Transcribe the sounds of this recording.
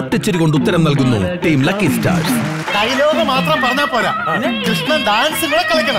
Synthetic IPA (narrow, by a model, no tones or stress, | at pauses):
ɐʈːɐt͡ɕːɐɾiko̞ɳɖut̪ːɐɾɐmnɐlkunːṵʈiːmlɐkːisʈa̰ːɾ | k̪ɐjnoːɣɐmaːt̪rɐmpɐɾɐɲːaːpoːla̰ːkɾɨʂɳɐnd̪aːnsiŋːɐɭekːɐɭɐkʲːɐɳɐ